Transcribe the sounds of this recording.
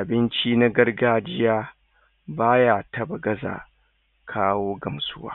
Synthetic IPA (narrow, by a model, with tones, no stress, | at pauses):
ʔa˨bɪ˦nt͡ʃiː˦na˦ɡɐ˦rɡaː˦d͡ʒɪ˦jaː˦ | baː˦ja˦tɐ˦bɐ˨ɡɐ˦za̰ː˨ | kʰaː˦woː˦ɡɐ˨msʊ˦wa̰ː˦